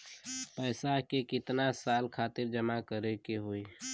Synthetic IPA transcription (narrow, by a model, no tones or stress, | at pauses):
pəɪsakekɪt̪nasalkʰaːt̪ɪɾd͡ʒəmakəɾekeɦoi